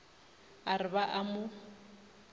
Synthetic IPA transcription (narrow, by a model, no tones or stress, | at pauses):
aɾɪbaʔamʊ